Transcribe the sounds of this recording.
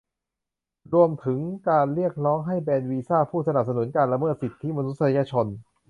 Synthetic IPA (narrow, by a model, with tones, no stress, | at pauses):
ɾu˧əmt̪ʰɯ˩˦ŋkaː˧nɾi˥˩ək̚ɾɔː˦˥ŋɦa˥˩jbɛː˧nwiː˧saː˥˩pʰuː˥˩sa˧na˨˩p̚sa˧nu˩˦nkaː˧nla˧mɤː˥˩t̪̚si˨˩t̪ʰːi˦˥ma˧nu˦˥t̪̚sa˧jaː˧t͡ɕʰo˧n